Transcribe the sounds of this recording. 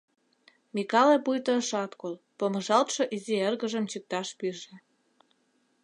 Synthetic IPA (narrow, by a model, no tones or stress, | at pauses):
mikɑlepujt̪ə̆ʃɑt̪kol | poməʒɑlt̪ʃŏʔizierɣə̆ʒə̆mt͡ɕək̚t̪ɑʃpyʒĕ